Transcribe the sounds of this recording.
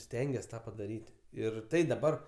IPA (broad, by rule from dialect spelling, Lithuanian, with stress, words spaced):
ˈsʲtʲɛŋʲɡʲɛs ˈtɑː pɐdɐˈrʲiːtʲ ˈɪr ˈtɐɪ dɐˈbɐr